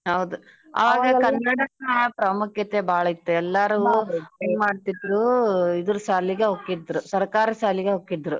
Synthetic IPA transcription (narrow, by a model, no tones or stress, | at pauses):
ɦɐwd̪u | ɐ̰ʋaːɡɐkɐnːɐɽɐkɐnɐpɾɐmukjɐt̪ebʱaːɭɐit̪ːuɛlːɐɾueːnmaːɖt̪id̪ɾuid̪ɐɾusaːliɡeɦokːid̪ːɾusɐɾkaːɾɐsaːliɡeɦokːid̪ɾu